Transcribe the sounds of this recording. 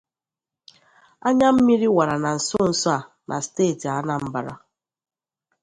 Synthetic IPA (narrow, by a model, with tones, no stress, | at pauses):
a˦ɲa˦m̩˦mi˦ɾi˦wa˨ɾa˨na˨n̩˨sʊ˦n̩˨so˦a˨ | nʔa̰˨steː˦˨ti˨a˦na˦m̩˦ba˨ɾa̰˦